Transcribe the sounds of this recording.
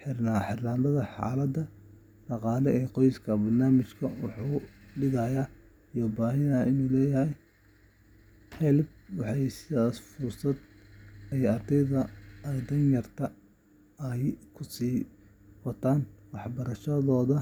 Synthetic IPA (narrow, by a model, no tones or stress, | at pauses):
ħɪrnaħɪrland̪ɐðɐħɑ̰ːlɐd̪ɐ | ɖɑqɑːlɛɛːqɔjskʰɐbɐrnaːmɪt͡ʃkʰɐwɑ̰ħuːɖɪɣɐjaː | jɔbaːɦɪnːʔɪnuːlɛːjɐɦɛj | ħɛlb̚wɑħɑjsɪðaːsfʊrsɐd̪ | ɛjɐrd̪ɛjðɐd̪ɐnjɐrt̪ʰɐ | ɛjkʰʊsiː | wɐt̪ʰaːnwɑħbɐɾɐʃɐðɔːðɐ